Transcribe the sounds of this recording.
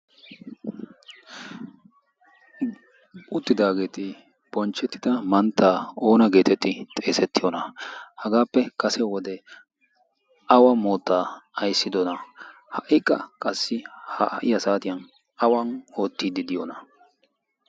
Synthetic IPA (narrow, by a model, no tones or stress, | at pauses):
ʊt̪ːɪd̪aːɡe̞ːt̪ɪ | b̥ɔnt͡ʃːɛt̪ːɪd̪ɐmɐnt̪ːaːoːnɐɡe̞ːt̪ɛt̪ːɪt̪ʼe̞ːsɛt̪ːɪjɔnɐhɐɡaːpːɛkɐsɛwɔd̪ɛ | ɐwɐmo̞ːt̪ːaːɐjsːɪd̪ɔnɐ | hɐʔɪkʼːɐ̰kʼɐsːɪhɐ̰ʔɪjɐsaːt̪ɪjɐn | ɐwɐno̞ːt̪ːid̪ɪd̪ɪjɔnɐ